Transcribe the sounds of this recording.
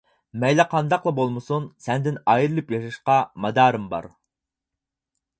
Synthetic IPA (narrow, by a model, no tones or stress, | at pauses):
mɛjlæqʰɑnd̪ɑqlˠɑbolˠmɨsunsɛnd̪ɪnɑjiɾɨlˠɨpjɑʃɑʃqɑmɑd̪ɑːɾɨmbɑ̰ɾ